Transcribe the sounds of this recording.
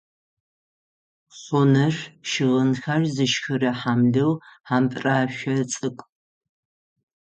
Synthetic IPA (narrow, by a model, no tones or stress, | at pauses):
ɕʷonɐrʃɪʁənxɐrzɨʃxɨrɐħamɮɨwħaːmpʼraːɕʷɐt͡sʼɨkʷʼ